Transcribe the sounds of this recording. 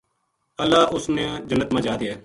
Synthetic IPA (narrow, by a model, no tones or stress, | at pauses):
əlːaːʔʊsnẽd͡ʒənːət̪mãːd͡ʒaːd̪iɛː